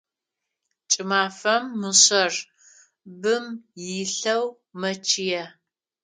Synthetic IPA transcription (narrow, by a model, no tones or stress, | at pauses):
t͡ʃʼɪmaːfɐmːɨɕɐr | bɨmjɪɬɐw | mɐt͡ʃʰɪjɛ